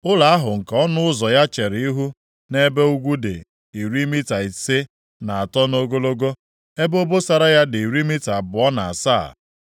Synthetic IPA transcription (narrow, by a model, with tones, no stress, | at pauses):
ʊ˦la˨a˦ɦʊ˨ŋ̩˨kɔ˦nʊ˦ʊ˦zɔ˨ja˦t͡ʃe˨ɾi˦ɦu˦ | ne˦be˦u˦ɡʷu˦dɪ˨ | i˨ɾi˦mi˦ta˨i˨se˦ | na˨a˨tɔ˦no˦ɡo˦lo˦ɡo˦ | e˦bo˦bo˦sa˨ɾa˦ja˦dɪ˨i˨ɾi˦mi˦ta˨bʊ˨ɔ˦na˨a̰˨sa˦˨